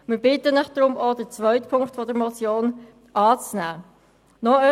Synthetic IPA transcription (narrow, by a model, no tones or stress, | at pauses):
mɪɾbɪtənɪχd̥ɾʊmodət͡svœʏtpʰʊŋktfɔdəɾmɔt͡sjoːn | ʔɑːt͡snæː | nɔœ